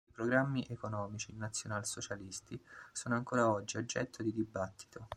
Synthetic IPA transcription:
ipɾoɡɾamːiʔekonɔːmit͡ʃinːat̪sːjonalsot͡ʃalist̪isoːnoaŋkoːɾaɔd͡ʒːiod͡ʒːɛt̪ʰːod̪id̪ibat̪ːi̥t̪ʰo

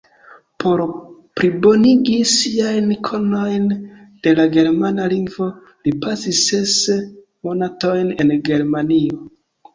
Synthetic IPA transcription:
po̞ɾpɾibo̞niɡisiajnkʰo̞no̞jn | d̥e̞laɡe̞ɾmanaliŋɡvo̞ | lipasises | mo̞nato̞jne̞nɡe̞ɾmanio

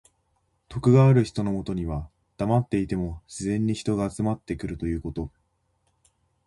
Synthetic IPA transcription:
t̪o̞kɯ̟ɡaːɾɯ̟çi̥t̪o̞no̞mo̞t̪o̞ɲ̟iβa | d̪̥amat̪ːe̞it̪e̞mo̞ɕizẽ̞ɲ̟ːiçi̥t̪o̞ɡaːt͡sɨmat̪ːe̞kɯ̟ɾɯ̟t̪o̞jɯ̟ːko̞t̪o̞

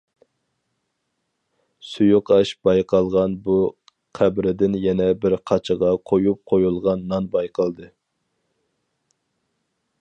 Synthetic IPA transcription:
sujuqɑʃbɑjqʰɑlˠʁɑnbu | qʰæbɾɪd̪ɪnjɛnɛbɪɾqʰɑt͡ʃʰəʁɑqʰojup̚qʰojulˠʁɑnːɑnbɑjqʰɑlˠd̪ɨ

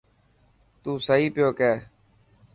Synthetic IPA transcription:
t̪uːsəɦiːpɪjoːkɛː

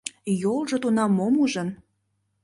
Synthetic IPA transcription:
jolˠʒŏt̪unɑmːomuʒən

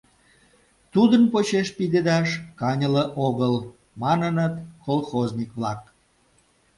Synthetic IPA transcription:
t̪ud̪ənpot͡ɕeʃpid̪ed̪ɑʃkɑnʲələʔoɣəl | mɑnənət̪kolxoznʲikβlɑk̚

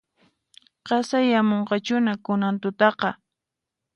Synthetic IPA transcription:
qɑsajamoɴqɑt͡ʃʊnakʊnant̪ʊt̪ɑqɑ

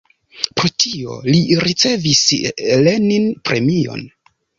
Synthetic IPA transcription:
pɾo̞tʰio̞̰liɾit͡se̞visle̞ninpɾe̞mio̞̰n

